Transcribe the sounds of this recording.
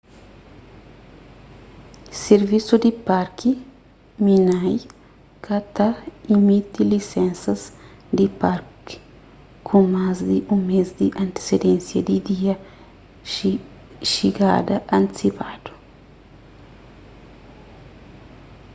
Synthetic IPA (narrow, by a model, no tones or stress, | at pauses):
seɾvisud̪ipaɾki | minaj | kat̪aimit̪ilisɛ̃nsɐz | d̪ipaɾki̥ | kʰũmazd̪iʔũmezd̪iʔɐ̃nt̪e̥sed̪ẽnsjɐd̪id̪iɐ | ʃiɡa̰d̪ɐʔɐ̃nt̪i̥sipad̪̥u̥